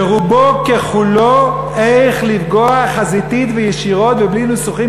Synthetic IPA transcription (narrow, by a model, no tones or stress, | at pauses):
eʁubokeχulo | ejχlivɡoaχazit̪it̪vejeʃiʁo̞t̪veblinusuχi